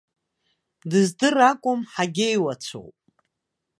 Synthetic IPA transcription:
dɨzdɨrakʷʼʊmħaɡʲejwat͡ɕʷʰo̰wpʼ

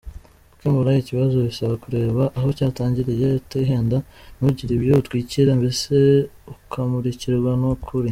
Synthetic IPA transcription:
ukembuɾajiciβazoβisaβakuɾe̞ːβaʔːɦo̞caːtaːɲɟiɾejeteɦeːndanuɟiɾiβjoutwiːciɾambe̞se̞ukʰamuɾiciɾɾɡwanukʰuɾi

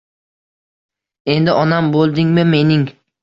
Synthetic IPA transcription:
e̞nd̪ɪʔɒnambolˠd̪ɪŋmɪme̞nɪŋ

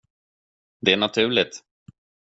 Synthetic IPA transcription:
d̪ɛæɳat̪ʰʉ̟ːɭɪt̪

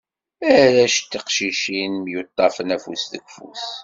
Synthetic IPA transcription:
æɾæʃt̪ːiqʃiʃinmjut̪ˤːɑfənæfṵsðə̰ɡfṵs

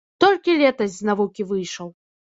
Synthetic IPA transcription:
t̪ɔlʲkʲilʲɛt̪ɐzʲznavukʲivɨjʂɐw

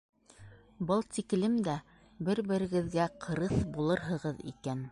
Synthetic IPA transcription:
bɤlˠt̪iklɘmd̪æ | bɘɾbɘ̆ɾɘ̆ɡɘ̆ðɡæqʰɤ̆ɾɤθbulˠɤɾɦɤ̆ʁɤðḭkæn

